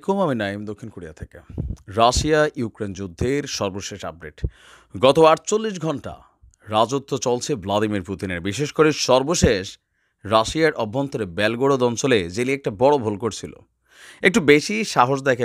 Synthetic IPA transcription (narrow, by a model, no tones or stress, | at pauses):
komaminaimd̪okʰːinkoɽija̰t̪ʰekḛɾaʃiajukɾend͡ʑud̪ʱːeɾʃɔɾboʃeʃa̰p̚ɖḛʈ | ɡɔt̪oaɾt͡ɕolːiʃ̬ɡʱɔɳʈa̰ | ɾad͡ʑot̪ːot͡ɕolt͡ɕʰeblad̪imiɾput̪ineɾbiʃeʃkoɾeʃɔɾboʃeʃ | ɾaʃiaɾʔɔbʱːont̪ʰoɾebɛlɡoɽod̪ɔnt͡ɕoled͡ʑeliɛk̚ʈabɔɽobʱolkoɾt͡ɕʰilo̰ | ek̚ʈubeʃiʃaɦoʃd̪akʰ